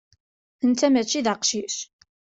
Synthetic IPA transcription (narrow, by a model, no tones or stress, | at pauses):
θənt̪ːæmæt͡ʃːiðəqʃiʃ